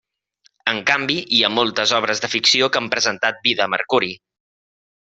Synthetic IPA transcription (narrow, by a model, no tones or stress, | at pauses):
əŋkambiʔiamolˠt̪əzɔβ̞ɾəzðəfiksiokəmpɾəzənt̪at̪̚biðəmə̰ɾkuɾi